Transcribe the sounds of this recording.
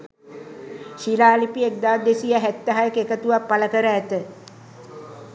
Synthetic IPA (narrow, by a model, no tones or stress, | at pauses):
ʃilaːlipiek̚d̪aːd̪esijaɦæt̪ːəɦajekekət̪uʋapːaləkəɾəːt̪ə